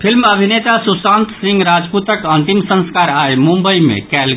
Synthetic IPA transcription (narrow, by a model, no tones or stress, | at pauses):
pʰilməbʱinet̪asusãnt̪sĩŋɡɾad͡ʒput̪əkənt̪imsə̃nskaɾaemũmbəimḛ̃kɛl